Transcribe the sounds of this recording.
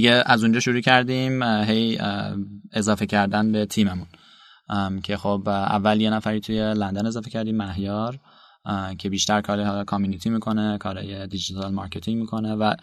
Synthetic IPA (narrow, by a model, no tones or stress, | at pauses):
iɡeæzund͡ʒɒːʃuɾuːcʰæɾd̪imɦe̞j | e̞zɒːfe̞cʰæɾd̪ænbe̞t̪ʰiːme̞mun | cʰe̞xobæ̰vːælje̞næfæɾiːt̪ʰuje̞lænd̪æne̞zɒːfe̞cʰæɾd̪iːmːæɦjɒːɾ | cʰe̞biːʃt̪æɾkʰɒːɾihɒːlɒkʰɒmjunit̪ʰiːmiːkʰo̞nekʰɒːɾɒ̰ːje̞d̪id͡ʒit̪ʰɒlmɒɾcʰe̞t̪ʰiŋmiːkʰo̞ne̞væ